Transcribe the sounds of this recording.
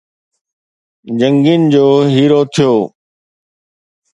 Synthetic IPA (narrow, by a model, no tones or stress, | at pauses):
d͡ʑə̃ŋɡind͡ʑoːɦiːɾot̪ʰijoː